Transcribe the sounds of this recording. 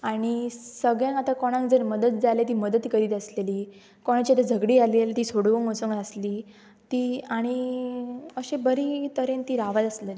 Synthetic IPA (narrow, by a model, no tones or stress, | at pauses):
aɽ̃isəɡɭjãŋat̪akoɽ̃ãŋkd͡zəɾməd̪ət̪̚d͡zalet̪̬iːməd̪ət̪kəɾiːt̪əsleliː | koɽ̃at͡ɕat̪ad͡zʱəɡɽiːalelt̪iːsoɽʋəŋosuŋɡəsliː | t̪iːaɽ̃i | əɕebəɾiːt̪əɾent̪iːɾaʋat̪əslen